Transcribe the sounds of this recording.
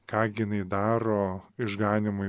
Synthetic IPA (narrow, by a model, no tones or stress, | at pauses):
kɑːɡʲɪnɐɪd̪ɑːɾoːɪʒɡɑːnʲɪmʊ